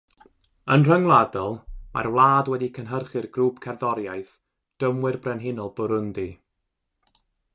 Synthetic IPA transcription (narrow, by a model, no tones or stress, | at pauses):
ənr̥əŋlˠadɔlˠma̰rwlˠaːdwɛdikʰənɦərχɨrɡruːpkʰɛrðɔɾjajθ | d̥əmwɪrbrɛnɦɪnɔlˠbʊɾʊndi